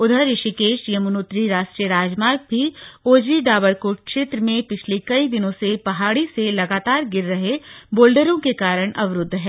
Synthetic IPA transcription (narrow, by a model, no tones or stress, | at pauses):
ʊd̪ʱəɾɪʃikeːʃjɐmʊnoːt̪ɾiɾaːʃʈɾijəɾaːd͡ʒmaːɾk̚bʱioːd͡ʒiɖaːbəɾkoːʈ̚kʃeːt̪ɾəmẽpɪt͡ʃʰlekɐid̪ɪnõsepɐɦaːɽiselɐɡaːt̪aːɾɡɪɾːɐɦeboːlɖəɾõkekaːɾəɽ̃ʔɐʋɾʊd̪ʱːɦɛː